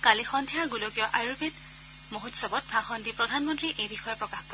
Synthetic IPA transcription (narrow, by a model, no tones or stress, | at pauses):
kalixɔndʱiaɡulokijɔʔajɹupit | moɦutsɔbɔt̚bʱaxɔndipɹɔdʱanmɔntɹiʔejbixɔjɔpɹɔkaxkɔ